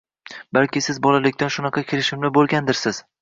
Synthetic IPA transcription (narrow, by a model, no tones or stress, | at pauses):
balkʲɪsɪzbɒlalɪkʲt̪anʃʊnɑqʰɑkʲʰɪɾɪʃɪmlɪbolˠɡʲand̪ɪɾsɪz̥